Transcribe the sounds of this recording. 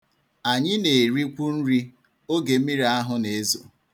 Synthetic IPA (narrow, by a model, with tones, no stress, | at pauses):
a˨ɲɪ˦ne˨ɾi˦kʷu˦n̩˦ɾi˦ | o˦ɡe˨m̩˦i˦ɾi˨˦a˦ɦʊ˦ne˨e˦zo˨